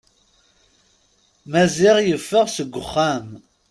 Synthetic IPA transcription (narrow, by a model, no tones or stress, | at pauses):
mæzɪʁjəfːəʁsəɡʷːʊχːam